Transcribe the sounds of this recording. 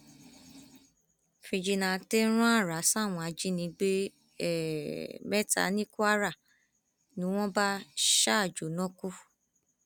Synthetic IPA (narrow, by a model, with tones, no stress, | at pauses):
fi˧d͡ʒi˧nã˧te˦ɾ̃ũ˦a˦˨ɾa˨˦sa˦˨w̃ɔ̃˧a˧d͡ʒi˦nĩ˧˦ɡ͡be˦ | ɛ˦˨mɛ˦ta̰˨˦nĩ˦ku˦a˦ɾa˦˨ | nĩ˨˦w̃ɔ̃˦ba˦ʃa˦˨d͡ʒo˨˦nɔ̃˦ku˦